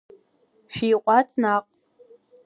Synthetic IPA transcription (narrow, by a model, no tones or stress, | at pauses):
ʃᶣiːqʷʼat͡sʼnaqʷʼ